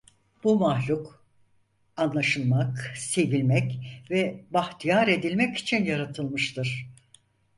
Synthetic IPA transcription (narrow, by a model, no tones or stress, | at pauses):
b̥umahlʲuk | anlˠaʃɯlˠmakse̞vilʲmɛcvɛbaxt̪ʰijaɾe̞d̪ilʲmɛci̥t͡ʃʰinjaɾat̪ʰɯlˠmɯʃt̪ʰɯɾ̥